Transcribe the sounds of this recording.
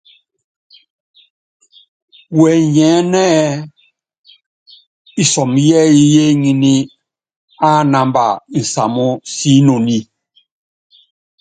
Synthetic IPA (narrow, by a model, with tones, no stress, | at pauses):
wɛ˨jɛ˨˦nɛ˦ | i˨sɔ˨mjɛ˦ji˦je˦ɲi˦ni˦ | a˦˨na˨mba̰˨n̩˨sa̰˨mɔ˦si˦no˨ni˦